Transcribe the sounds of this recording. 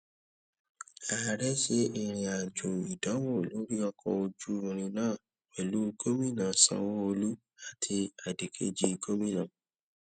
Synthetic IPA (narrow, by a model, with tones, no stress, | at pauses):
a˨ɾɛ˦ʃe˦i˦˨ɾ̃ĩ˧a˨d͡ʒo˨i˨da˨˦wo˦˨lo˨˦ɾi˦ɔ˧kʰɔ̰˧o˧d͡ʒu˦ɔ̃˧nĩ˧nãː˦˨ | wɛ˨lu˨˦˧ɡo˦mĩ˦˨nã˨sã̰˧˨wo˦o˧lu˦ | a˦tʰi˧a˨di˨kʰḛ˦d͡ʒi˦˧ɡo˦mĩ˦nã˨